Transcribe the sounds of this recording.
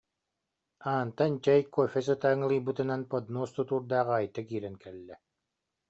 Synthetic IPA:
aːnt̪ant͡ɕɛjkɔfʲɛs̬ɯt̪aːŋɯlˠɯjbɯt̪ɯnanpɔd̪nuːst̪ut̪uːɾd̪aːʁajt̪akiːɾɛŋkɛlːɛ

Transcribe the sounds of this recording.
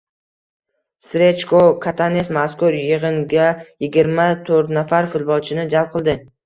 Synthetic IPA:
sɾet͡ʃkokʰat̪ʰanesmaskʊɾjɨʁɨŋɡʲajɪɡʲɪɾmat̪ʰɵɾt̪nafaɾfɪlˠbɒlt͡ʃʰɪnɪd͡ʒalˠp̚qʰɨlˠd̪ɪ

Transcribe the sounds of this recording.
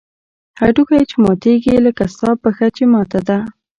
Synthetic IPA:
haɖukajt͡ʃemɑt̪eɡiləkast̪ɑpəxat͡ʃemɑt̪ad̪a

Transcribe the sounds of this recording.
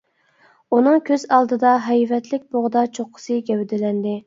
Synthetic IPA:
unɨŋkʲʰøzɑlˠd̪ɨd̪ɑɦɛjvɛt̪lɪk̚ʲboʁd̪ɑt͡ʃʰoqʰːə̥sɨɡʲɛwd̪ɪlɛnd̪ɪ

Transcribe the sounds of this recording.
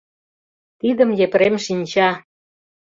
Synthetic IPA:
t̪id̪ə̆mjepɾemʃinʲt͡ɕɑ

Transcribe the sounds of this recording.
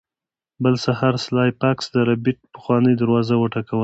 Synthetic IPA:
bəlsahaɾslɑjpaksd̪əɾabiʈ̚pə̥xwɑnəjd̪aɾwɑzawəʈakawə

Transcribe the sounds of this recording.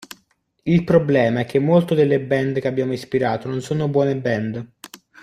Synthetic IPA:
ilpɾoblɛːmaɛkːemːolt̪od̪elːebɛnd̪k̟eabːjaːmoispiɾaːt̪ononsoːnobwɔːnebɛnd̪

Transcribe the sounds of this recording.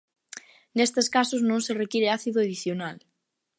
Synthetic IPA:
nest̪eskasʊznõŋserekiɾeaθiðoeðiθjonal

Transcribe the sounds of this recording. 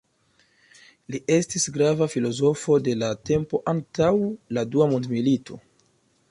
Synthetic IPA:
liʔe̞stisɡɾavafilo̞zo̞fo̞de̞late̞mpo̞ʔantawladuamondmilito̞

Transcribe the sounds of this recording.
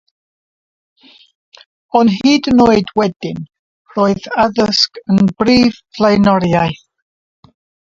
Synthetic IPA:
ɔnɦiːdənoːɨdwɛdɪn | r̥oːɨðaðəskənbriːv̥pʰlˠejnɔɾjajθ

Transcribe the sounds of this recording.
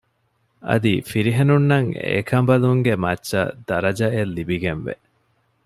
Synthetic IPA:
ʔɐ̰d̪ifiɾiɦenunːɐŋḛkʰɐmbɐluŋɡemɐtːʃɐ̰d̪ɐɾɐd͡ʒɐelːibiɡenʋḛ

